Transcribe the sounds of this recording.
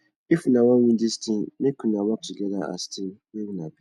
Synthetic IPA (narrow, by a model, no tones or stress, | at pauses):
efunãwãwĩdistʰĩnnɪ̃kʰũnãwaiɡɛdaa̰stʰɪ̃jewũnãbi